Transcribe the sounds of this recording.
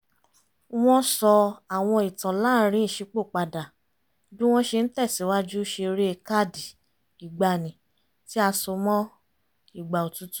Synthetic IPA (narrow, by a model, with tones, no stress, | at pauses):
w̃ɔ̃˦sɔ˧a˨w̃ɔ̃˧i˨tã˨la˦ɾ̃ĩ˦i˦˨ʃi˨˧k͡po˦˨k͡pa˧da˨ | dũ˦w̃ɔ̃˦ʃe˧n̩˦tɛ˦˨si˨˦wa˦d͡ʒu˦ʃe˧ɾe˦e˧ka˦˨di˨ | i˨ɡ͡ba˧˨nĩ˨ | ti˦a˧so˧mɔ̃˦ | i˨ɡ͡ba˨o˨tu˦tu̥˦